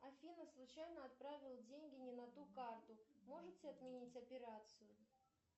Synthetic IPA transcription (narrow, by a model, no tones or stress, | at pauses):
ɐfʲinəslˠʊt͡ɕajnəɐt̪̚pɾavʲɪlˠdʲenʲɡʲɪnʲɪnɐt̪ukart̪ʊmo̞ʐɨt͡sʲɪɐt̪mʲɪnʲit͡sʲɐpʲɪɾat̪sɨjʊ